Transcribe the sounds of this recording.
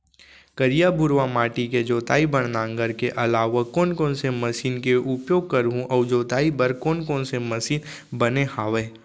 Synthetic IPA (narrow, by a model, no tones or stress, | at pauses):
kəɾijabʊɾʋamaːʈiked͡ʒoːt̪a̰ːibɐɽ̃nãːŋɡəɾkeʔɐlaːʋakoːnkõːnsemɐsiːnkeʔʊpjoːɡ̚kɐɾɦũʔɔːd͡ʒoːt̪aːibəɾkoːnkoːnsemɐʃiːn | bɐnehaːʋeː